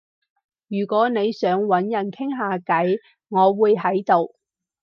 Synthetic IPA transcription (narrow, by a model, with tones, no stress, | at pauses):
jyː˨˩kʷɔː˨˥ne˨˧jsœː˨˥ŋwɐ˨˥njɐ˨˩nkʰɪ˥ŋɦaː˨˧kɐ˨˥j | ŋɔː˨˧wuː˨˧jɦɐ˨˥jt̪o˨w